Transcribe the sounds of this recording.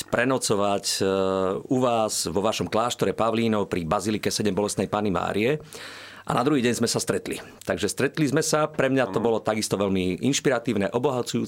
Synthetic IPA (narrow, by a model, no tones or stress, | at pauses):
pɾɛnɔt͡sɔʋac | uʋaːzʋɔʋaʃɔmklaːʃt̪ɔɾɛpaʋliːnɔwpɾibazilikɛsɛɟɛmbɔlɛst̪nɛjpaːnima̰ːɾiɛ | ʔa̰nad̪ɾuɦiːɟɛɲzmɛsast̪ɾɛt̪lḭ | t̪aɡʒɛst̪ɾɛt̪lizmɛsapɾɛmɲat̪ɔbɔlɔt̪aɡist̪ɔʋɛlmiʔinʃpiɾat̪iːʊnɛʔɔbɔɦat͡sujṵː